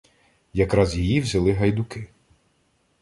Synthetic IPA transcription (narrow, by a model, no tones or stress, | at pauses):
jɐkɾɑzjijiwzʲɐlˠɪɦɐjd̪ʊkɪ